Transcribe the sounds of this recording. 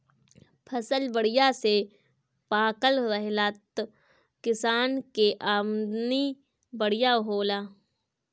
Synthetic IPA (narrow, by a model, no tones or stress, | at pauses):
pʰəsəlbəɽɪjase | paːkəlɾɛɦlat̪ | kɪsaːnkeʔaːmd̪ni | bəɽɪjaɦoːlaː